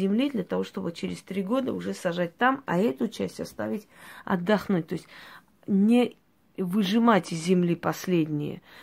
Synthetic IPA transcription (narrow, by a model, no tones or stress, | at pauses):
ɪmlʲid̪lʲət̪ɐvo̞ʂt̪o̞bɨt͡ɕeɾʲɪst̪ɾʲiɡo̞d̪əʊʐɛsɐʐat̚ʲt̪amɐ̰ɛt̪ʊt͡ɕæsʲtʲɐst̪a̰vʲɪtʲɐ̰d̪ːɐxnut̚ʲt̪o̞ɪsʲ | nʲɪ | vɨʐɨmatʲɪzʲzʲːɪmlʲipɐsʲlʲedʲnʲɪjə̰